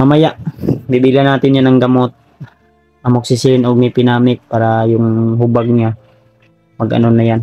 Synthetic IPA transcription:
mamajaʔbibilanːaːt̪ɪnjanɐŋɡamot̪̚ | ʔɐmok̚sɪsɪnoɡ̚mɪpɪnaːmɪk̚paːɾajʊŋɦʊbaɡ̚ɲa | mɐɡʔɐ̰nonajan

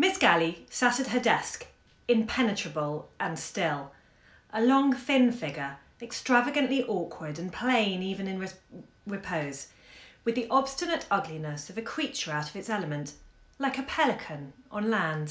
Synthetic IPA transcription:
mɪsɡ̥ælˠisaɾɨd̚ɦə˞dɛsk | ɨ̃mpʰɛnɨt͡ʃɹ̥ɨbəlˠʔə̃nstɪlˠ | ʔəlɔ̃ŋθɪ̃nfɪɡə˞ | ɨkstɹ̥ævɨɡɨ̃nʔliʔɔˑkʰwə˞dɨ̃npʰl̥ẽɪ̃nivɨ̃nɨ̃nɹ | ɹɨpʰoʊz̥ | wɨðiʔɑb̥stɨnɨɾʌɡlinɨsʌvɨkʰɹ̥it͡ʃə˞aʊɾʌvɨtsɛlˠəmɨ̃nʔ | laɪkɨpʰɛlˠɨkʰɨ̃nʔə̃nlæ̃nd̥

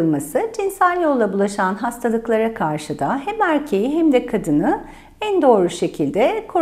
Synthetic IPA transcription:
ɯlˠmasɯd͡ʒinsælʲjo̞lˠːabulˠaʃanɦast̪ʰalˠɯklˠaɾakʰaɾʃɯd̪aɦæmæɾcʰe̞jiɦæmd̪ɛkʰad̪ɯnɯ | ænd̪o̞ːɾuʃe̞cʰilʲd̪ɛkʰo

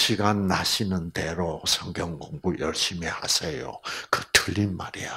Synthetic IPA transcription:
ɕʰiɡanːaɕʰinɯndeɾosʰʌŋɡjʌŋɡoŋbujʌ̰ɭɕ͈imeha̰sʰejo̰kɯtʰɯʎːinmaɾia

